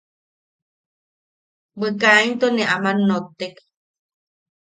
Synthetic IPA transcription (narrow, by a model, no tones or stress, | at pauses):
wekaint̪oneʔamanːot̪ːek